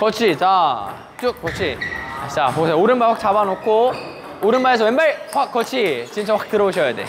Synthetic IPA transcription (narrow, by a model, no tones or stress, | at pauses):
kʌt͡ɕʰit͡ɕa | t͡ɕ͈uk̚k͈ʌt͡ɕʰiat͡ɕapoesʰeoɾɯnbaɭkak̚t͡ɕ͈abanokʰo | oɾɯnbaes̬ʰʌwenbaɭkak͈ːʌt͡ɕʰit͡ɕint͡ɕʰawak͈ʰe̥tɯɾʌboɕ̬ʰʌjadḛ